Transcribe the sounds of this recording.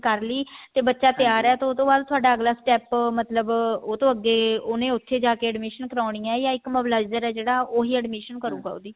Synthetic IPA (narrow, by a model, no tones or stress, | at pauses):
kəɾliːt̪eːbətːʃaːt̪ɪaːɾɛːt̪oot̪õːbaːd̪̚t̪ʰʊaːɖaːəɡlaːsʈɛːpmət̪ləboːt̪õːəɡːeːoːnẽːʊt̪ʰːeːd͡ʒaːkeːɛɖmiːʃənkəɾaːɳijãːjãːɪkməʋlaːɪd͡ʒəɾɛːd͡ʒeːɽaːoːɦiːɛɖmiʃənkəɾuːɡa̰ːo̰ːd̪iː